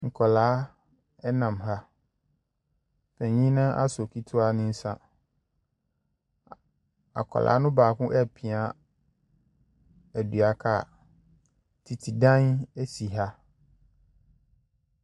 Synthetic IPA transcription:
ŋ̩˨kʰɔ˨laː˨˦ | ɛ˦nã˨mɦa˦ | fɛ̃˨ɲĩ˦nã˦ʔa̰˦sɔ˨kʰi˦tʰʊ˦a˦nɪ̃˦n̩˦sã̰˦ | a̰˨kʰɔ̰˨lʔa̰ː˨˦nʊ̃˦baː˨kʊ̃˦ʔɛ˦˨pʰɪ̃˨a˦ | æ˨du˨a˨kʰa˦˨ | tʰi˨tʰi˨dã˦næ˦si˨ɦa˦

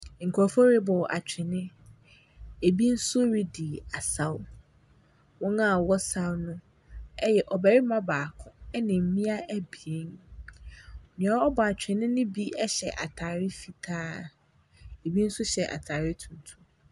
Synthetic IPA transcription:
ŋ̩˨kʰɔ˨fɔ˦ɾi˦bɔ˨ʔa˨t͡ɕᶣʰɪ˨nɪ̃˦ | e˨bi˦n̩˦sʊ˦ɾi˦di˨a˨sa˦wʊ˦ | wɔ̃˦ŋã˦˨wɔ˦sa˦wnʊ̃˦ | ɛ˦jɛ˨ʔɔ˨bæ˨ɾi˦mã˦baː˨kʰʊ̃˨ɛ˦nɪ̃˨m̩˨˦mĩ˦a˦ʔæ˦bi˨e˦n | ɔ˨ɲ̃ᶣ˨ã˨˦ɔ˦bɔ˨a˨t͡ɕᶣʰɪ˨nɪ̃˦nɪ̃˦bi˦ɛ˦ɕɛ˨ʔa̰˨tʰaː˨ɾɪ˦fi˨tʰaː˦ | e˨bi˦n̩˦sʊ˦ɕɛ˨ʔa̰˨tʰaː˨ɾɪ˦tʰũ˨n˨tʰu˦

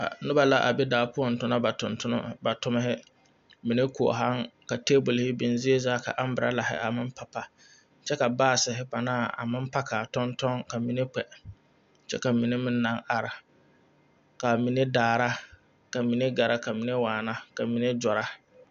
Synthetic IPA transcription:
a̰˨nʊ˦ba˨la˦ʔa̰˨be˦daː˨pʊ˦ɔ˨n˨tʊ˦na˦ba˨tʊ˨ntʊ˦n̰˦ba˨tʊ˦mɪ˦ɦɪ˦ | mi˨ne˦kʊ˨ɔ̰˨ɦa˦ŋka˨teː˦bʊ˨lhɪ˦bi˨nzi˦e˦zaː˦ka̰˨ʔa˦m˦bɨ˨ɾa̰˦la˨ɦɪ̰˦ʔa̰˨mɪ˦m˦pa˨pa˨ | t͡ʃɛ˦ka˨baː˦˨sɪ˨ɦɪ˦pa˨naː˦˨a̰˨mɪ˦m˦pa˦kʰa˨tɔ˦ntɔ˦ŋka˨mi˨ne˦k͡pɛ˨ | t͡ʃɛ̰˦ka˨mi˨ne˦mɪ˦nː˦ã˦ŋa˨ɾɪ˨ | ka˨mi˨ne˦daː˨ɾa˦ | ka˨mi˨ne˦ɡa˨ɾa˦ka˨mi˨ne˦waː˨na˦ka˨mi˨ne˦d͡ʒɔ˨ɾa˦

